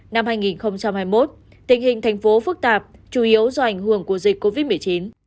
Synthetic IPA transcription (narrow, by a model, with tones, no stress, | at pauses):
na˧mhaː˧jŋi˨˩nxə˧wŋ͡mt͡ɕa˧mhaː˧jmo˦˥t̚ | t̪ï˨˩ŋ̟ɦï˨˩ŋ̟t̪ʰa˨˩jŋ̟fo˨˦fɨ˦˥k̚t̪aː˨˩p̚t͡ɕu˧˩ʔi˨˦əwzɔ˧ʔa˨˧˩jŋ̟ɦɨ˧˩əŋku˧˩əzï˨˩k̟̚kːo˧vi˦˥t̚mɨ˨˩əjt͡ɕi˨˦n